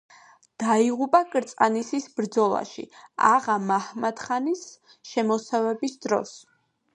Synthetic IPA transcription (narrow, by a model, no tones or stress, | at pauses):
d̪̥aiʁupʼakʼɾt̪sʼanisisbɾd̪zɔlˠa̰ʃḭa̰ʁamahmad̪χanis | ʃɛmɔsavɛbisd̪ɾɔ̰s